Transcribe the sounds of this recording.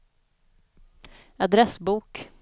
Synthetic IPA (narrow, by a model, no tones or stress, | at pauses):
ad̪ɾɛsbuːk